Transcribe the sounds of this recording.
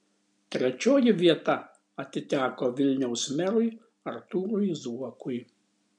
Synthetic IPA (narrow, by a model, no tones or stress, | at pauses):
t̪ʲɾʲɛt͡ʃʲoːjɪʋʲiɛt̪ɐ | ɐt̪ʲɪt̪ʲæːkoːʋʲɪlʲnʲɛʊsmʲɛɾʊj | ɐɾt̪uːɾʊjzuɔkʊj